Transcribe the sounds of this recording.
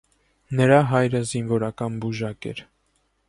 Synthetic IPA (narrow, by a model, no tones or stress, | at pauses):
nəɾɑɦɑjɾəzinvɔɾɑkɑnbuʒɑkɛ̰ɾ